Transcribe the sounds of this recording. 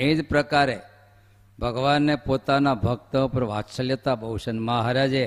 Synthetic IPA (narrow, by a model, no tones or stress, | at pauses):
ed͡ʒpɾəkaɾe | bʱəɡʋanːepot̪anabʱək̚t̪əpəɾʋatʃəljət̪abəwʃənmaɦaɾad͡ʒe